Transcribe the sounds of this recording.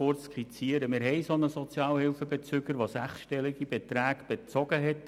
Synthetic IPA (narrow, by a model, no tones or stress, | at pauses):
oɾt͡skχit͡siəɾəmɪɾɦɛɪsonəsɔt͡sjɑːlhɪlfəbet͡søɡəɾʋosæχsʃtɛlɪɡibet̪ɾæːɡ̥b̥et͡sɔɡ̥əɦɛt